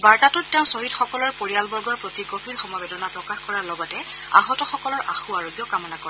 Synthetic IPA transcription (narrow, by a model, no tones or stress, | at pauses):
baɹtatʊtːɛʊ̃soɦitxɔkɔlɔɹpoɹijalbɔɹɡɔɹpɹotiɡopʰilxɔmɔbedɔnapɹɔkaxkɔɹalɔɡɔtɛ | a̰ɦɔtɔxɔkɔlɔɹʔa̰xuaɹoɡjɔkamɔnakɔɹ